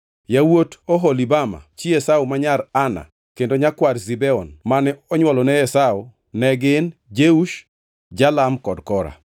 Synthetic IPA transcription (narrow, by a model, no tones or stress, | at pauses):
jawotɔɦɔlibama̰t͡ʃiɛsaomaɲarana̰ | kendoɲakwarzibɛɔnmanɛɔɲwɔlɔnɛjɛsao | nɛɡɪnd͡ʒeuʃ | d͡ʒalamkɔdkɔɾa̰